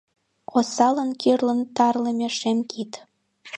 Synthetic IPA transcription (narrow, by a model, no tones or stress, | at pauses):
osɑlənkyrlənt̪ɑrlemʲeʃemkʰit̪